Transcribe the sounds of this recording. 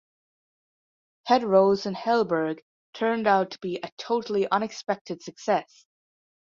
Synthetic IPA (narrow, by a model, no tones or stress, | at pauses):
hʰɛd̚ɹoʊzɨ̃nhɛlˠbə˞ɡ | tʰɜ̃˞ndaʊtʰə̥b̥iʔɨtʰoʊɾl̩ˠiʔʌ̃nɨkspɛk̚tʰɨd̥sɨksɛs